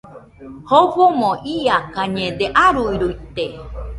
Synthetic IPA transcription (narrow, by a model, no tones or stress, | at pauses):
hoβomõʔiakaɲẽd̪eʔaɾuiɾuit̪e